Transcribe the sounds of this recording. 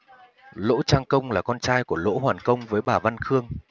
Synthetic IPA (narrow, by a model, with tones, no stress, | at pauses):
lo̰˧˥t͡ɕaː˧ŋkə˧wŋ͡mlaː˨˩kɔ˧nt͡ɕaː˧jku˧˩əlo̰˧˥ɦwaː˨˩nkə˧wŋ͡mvəː˨˦jɓaː˨˩va˧nxɨ˧əŋ